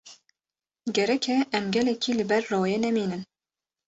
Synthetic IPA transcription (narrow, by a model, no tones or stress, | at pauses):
ɡɛɾɛkʲʰɛʔɛmɡɛlɛkʰiːlɨbɛrːoːjɛnɛmiːnɨm